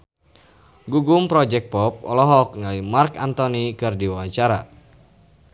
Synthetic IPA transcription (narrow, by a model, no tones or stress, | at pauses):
ɡuɡumpɾɔd͡ʒɛk̚pɔp̚ɔ̰lɔɦɔk̚nalimarkant̪ɔnikɨrdiwaaɲt͡ʃaɾa